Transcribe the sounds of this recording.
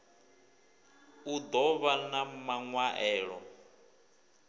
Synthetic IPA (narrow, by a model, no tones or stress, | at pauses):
ud̪ɔβanamaŋwaʔɛːɺɔ̰